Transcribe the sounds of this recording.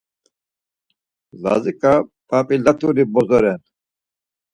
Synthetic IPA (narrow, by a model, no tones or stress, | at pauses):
za̰zikʼapapʼilat̪ʰʼuɾibɔzɔɾɛn